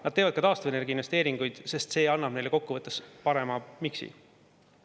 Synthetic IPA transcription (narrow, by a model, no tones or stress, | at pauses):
nɑd̪̚te̞ːvɑd̪̥̚kɑt̪ɑːst̪uvene̞rɡ̥ʲinvest̪e̞ːɾiŋɡ̥ujd̪̥se̞st̪se̞ːɑnːɑb̥nejle̞ko̞kːuvɤt̪ːespɑɾe̞mɑmiksḭ